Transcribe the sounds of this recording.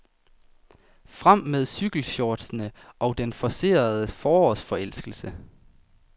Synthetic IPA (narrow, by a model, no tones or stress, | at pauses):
fʁam̰með̞ˠsyɡ̥l̩ɕɒːd̥snəʔɒ̽ʊd̥enfɒ̽se̝̰ːɐð̞ˠəfɒːɒsfɒ̽el̰sɡ̥l̩sə